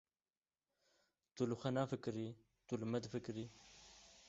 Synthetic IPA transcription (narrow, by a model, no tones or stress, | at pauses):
t̪uluxɐnaːfikɾi | t̪ulmɐd̪fikɾi